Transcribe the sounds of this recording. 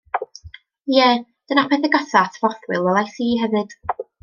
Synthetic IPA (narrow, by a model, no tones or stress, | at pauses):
jɛːd̥ənapʰɛθɛɡɔθaθvɔθwɨlˠɛlˠajsiːɦɛvɨd̥